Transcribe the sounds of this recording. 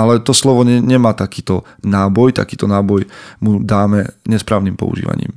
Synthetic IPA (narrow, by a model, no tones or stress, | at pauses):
alɛt̪ɔslɔʋɔɛɲɛmaːt̪akiːt̪ɔ | naːbɔjt̪a̰kiːt̪ɔnaːbɔjmud̪aːmɛɲɛspɾaːʊniːmpɔ̰ṵʒḭːʋa̰ɲḭːm